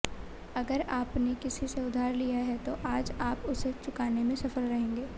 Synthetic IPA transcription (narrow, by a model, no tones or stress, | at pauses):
ɐɡəɾaːpnekɪsiseʊd̪ʱaːɾlijaɦɛt̪oʔaːd͡ʒaːpʊset͡ʃʊkaːnemẽsɐfəɾɾɐɦẽːŋɡeː